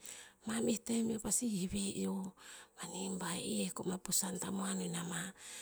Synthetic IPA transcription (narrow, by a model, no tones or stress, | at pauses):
mamiht̪amiopasihiβejʔomanimbaeʔiekomapusant̪amoanonama